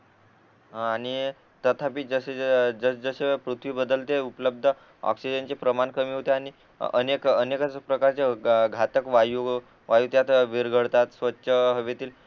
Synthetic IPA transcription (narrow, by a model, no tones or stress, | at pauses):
aɽ̃i | t̪ət̪ʰapiːd͡zəsed͡zəd͡zəɕepɾut̪ʰʋiːbəd̪əlt̪eupləb̚d̪ʱə | ɔ̰ksid͡ʑənt͡ɕepɾəmankəmiːɦot̪eaɽ̃i | ə̰nekənekəpɾəkaɾt͡seɡʱat̪əkʋaju | ʋajut̪jat̪ʋiɾɡʱəɽt̪at̪sʋətːɕʰəɦəʋet̪iːl